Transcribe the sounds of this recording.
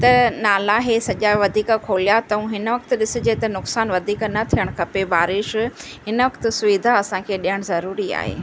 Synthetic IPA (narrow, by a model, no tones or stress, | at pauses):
t̪ɐnaːlaɦesɐʄaʋɐd̪ʱiːkkʰoːlijat̪ɐũɦɪnʋɐkt̪ʊ̆ɗɪsɪ̆d͡ʑet̪ɐnʊksaːnʋɐd̪ʱiːknɐt̪ʰijəɽ̃kʰɐpebaːɾɪʃɦɪnəʋɐkt̪ɪ̆sʊʋid̪ʱaɐsãkʰeːɗijəɽ̃zɐɾuːɾia̰ːɦḛː